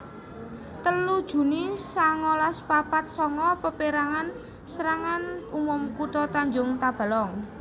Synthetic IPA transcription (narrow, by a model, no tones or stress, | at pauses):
t̪əlud̥ʒ̥ṳnisaŋolaspapat̪̚sɔŋɔpəpeɾaŋan | səɾaŋanumʊmkut̪ɔt̪aɲd͡ʒʊŋt̪ab̥a̤lɔŋ